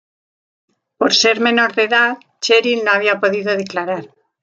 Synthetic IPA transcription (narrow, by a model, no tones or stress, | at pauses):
poɾse̞ɾmẽ̞no̞ɾðeðað | t͡ʃeɾilnoaβ̞iapo̞ðiðoðeklaɾaɾ